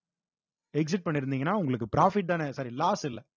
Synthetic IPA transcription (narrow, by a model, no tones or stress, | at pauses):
ɛks̬ɪʈ̚pɐɳːɪɾɯnd̪iːŋɡɐnːaːʊŋɡɐɭɯkːɯpɾaːfɪʈ̚d̪aːnɛsɐɾilaːsɪlːɛ